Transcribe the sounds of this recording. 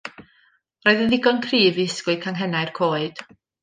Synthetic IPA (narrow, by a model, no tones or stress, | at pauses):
roːɨðəðɪɡɔnkʰriːvɪskwɨkʰaŋɦɛnaɨjrkʰoːɨd̥